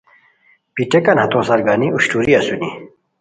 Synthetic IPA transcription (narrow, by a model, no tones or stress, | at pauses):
piʈekɐnhɐt̪õsɐɾɡaniuɕʈuːɾiɐsuni